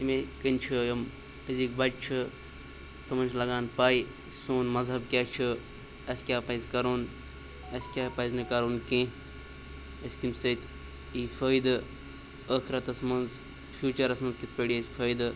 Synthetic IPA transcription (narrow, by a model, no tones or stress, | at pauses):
imẽkint͡ʃʰɨjɐm | ɐzikbɐʈt͡ʃʰɨ | t̪ɐmɐnʲt͡ʃʰlɐɡaːnpaːi | soːnmɐzɦɐb̚kʲaːt͡ʃʰɨ | ɐskʲaːpaːizkɐɾoːn | ɐskʲaːpaiznɨkɐɾoːnkẽ | ɐskimsəit̪ | iːfʰəːjd̪ɨ | əːxiɾɐt̪ɐsmɐnz | fʰjuːt͡ʃɐɾɐsmɐnzkit̪pʲeɽiɐsʲfʰəːjd̪ɨ